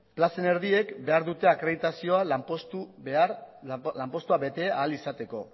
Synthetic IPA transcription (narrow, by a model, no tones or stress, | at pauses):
plase̞ne̞ɾðie̞kbe̞aɾðut̪e̞akɾeðit̪asio̞apost̪u | lampo̞st̪uaβe̞t̪e̞aːlisat̪e̞ko̞̰